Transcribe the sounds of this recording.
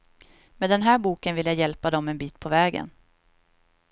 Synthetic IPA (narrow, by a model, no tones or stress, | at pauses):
meːd̪ɛnɦæːɾbuːkənvɪljajɛlpad̪ɔmːɛnbiːt̪pʰɔvɛːɡə̰n